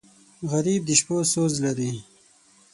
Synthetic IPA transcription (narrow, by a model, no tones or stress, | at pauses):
ɣaɾiːb̚d̪iʃposoːzlaɾi